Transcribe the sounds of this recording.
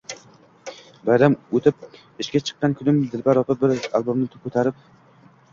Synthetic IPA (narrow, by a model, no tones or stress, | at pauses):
bajɾamot̪ʰɪp̚ | ɪʃkʲat͡ʃʰɨ̥qːɑnkʲʰʊnɪmd̪ɪlbaɾɒpɪbɪɾalˠbomnɪt̪ʰʊ̥p̚kʰɵt̪ʰaɾɪp̚